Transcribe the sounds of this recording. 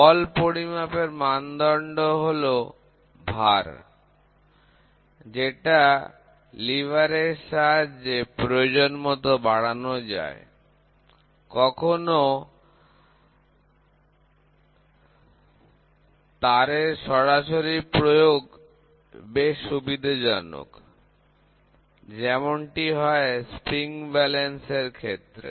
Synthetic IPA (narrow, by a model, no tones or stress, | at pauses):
ɔlpoɽimapeɾmand̪ɔɳɖoɦolo | bʱaɾ | d͡ʑeʈa | libaɾeʃaɾd͡ʑepɾood͡ʑonmɔt̪obaɽanod͡ʑa̰e | kɔkʰono | t̪aɾeɾʃɔɾaʃoɾipɾojoɡ | beʃubid̪ʱad͡ʑano̰k | d͡ʑɛmonʈiɦɔespɾiŋbɛlenseɾkʰet̪ːɾḛ